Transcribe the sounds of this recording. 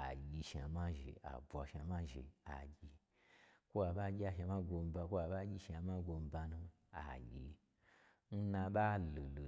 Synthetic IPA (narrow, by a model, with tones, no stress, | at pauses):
a̰˨ɡʲi˧ʃa˨ma˦ʒḛ˨a̰˨bʷa˨ʃa˧˨ma˦ʒḛ˨a̰˨ɡʲi˧ | ko˦a˨ɓa˦ɡʲi˦a˧ʃa˧ma˦ɡo˧m˦ba˧kʷo˦a˨ɓa˦ɡʲi˦ʃa˨ma˦ɡo˧m̩˦ba˧nũ˦ | a̰˨ɡʲi˨˧ | n̩˦na˧ɓa˦lo˨lo˨